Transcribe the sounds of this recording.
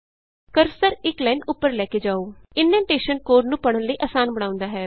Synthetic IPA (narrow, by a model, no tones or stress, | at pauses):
kəɾsəɾɪklɛːnʊpːəɾlɛːkeːd͡ʒaːoːɪnːɛ̃ːɳʈeːʃənkoːɖnũːpəɽ̃ənləiːʔaːsaːnbəɽãːʊ̃nd̪aːɦɛː